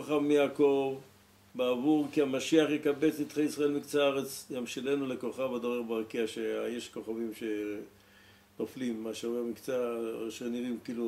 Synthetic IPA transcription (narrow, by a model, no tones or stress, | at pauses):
aχavmijaːko̞v | baavuʁkiamaʃiaχjekabe̞t͡sit̪χeisʁae̞lmikt͡saaʁet͡sjamʃele̞nulekoχavad̪oʁeʁbaʁkiaʃeajeʃko̞χavimʃe | noflimːaʃavuamikt͡saʃeniʁimkilu